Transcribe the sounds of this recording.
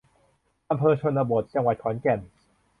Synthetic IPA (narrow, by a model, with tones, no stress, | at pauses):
ʔa˧mpʰɤː˧t͡ɕʰo˧nːaː˧bo˨˩t̪̚t͡ɕa˧ŋwa˨˩t̪̚kʰɔː˩˦nkɛ˨˩n